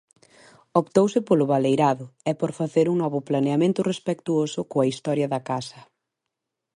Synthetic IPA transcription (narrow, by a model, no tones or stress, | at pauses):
opt̪owsɪpolʊβalejɾaðʊɛpoɾfaθeɾuŋnɔβʊplaneamẽnt̪ʊrespekt̪uosʊkoɐist̪ɔɾjɐðɐkasɐ